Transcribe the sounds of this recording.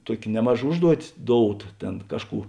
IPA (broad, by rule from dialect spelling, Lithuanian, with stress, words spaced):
ˈtuɔkʲ ˈnʲæːmɐˌʒɐ ˈʊʒduɔtʲɪs ˈdoːʊˌtɐ ˈtʲeːn ˈkɑːʃˌkuː